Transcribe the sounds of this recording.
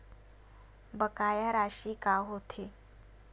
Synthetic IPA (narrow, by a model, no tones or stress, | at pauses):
bəkajaɾaɕiːkaɦot̪ʰe